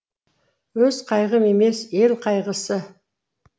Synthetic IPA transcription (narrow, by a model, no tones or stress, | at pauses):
wɵzqʰɑjʁəme̞me̞se̞lqʰɑjʁəsə